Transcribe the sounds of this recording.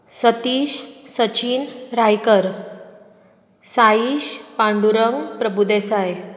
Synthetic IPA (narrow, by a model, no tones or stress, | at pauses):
sət̪iːɕsət͡ɕiːnɾajkəɾ | saiɕpaɳɖuɾəŋɡpɾəbud̪esaj